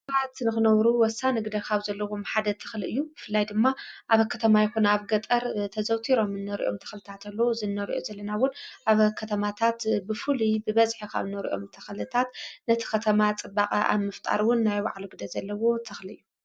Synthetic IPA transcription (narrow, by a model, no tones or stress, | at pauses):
ʕat̪nɨxɨnɐwɾuwɔsːanɨɡd̪ɐkʰaβzɐlːɐwo̞mħad̪ɐt̪ʰɐ̥xlɨʔɨjːubɨfɨlːajd̪ɨmːaʔaβɐkʰːɐt̪ʰɐmajɛxunaβɡɐt̪ʼɐɾt̪ʰɐzɐwt̪ʰiɾo̞mɨnːɐɾḭʔo̞̰mt̪ʰɐ̥xlɨt̪ʰat̪ʰalːowozɨnːɐɾʔo̰zɐlːɐnawʊnʔaβkʰɐt̪ʰɐmat̪ʰat̪bɨfɨlibɨβɐzħikʰa̰βnɐɾḭʔo̞̰mt̪ʰɐxlɨt̪ʰat̪nɐt̪ʰi̥kɐt̪ʰɐmat͡sʼɨbːaqʼɐʔa̰βmɨft̪ʼa̰ɾwʊnːajwa̰ʕluɡɨd̪ɐzɐlːɐwo̞t̪ʰɐxliɨjːu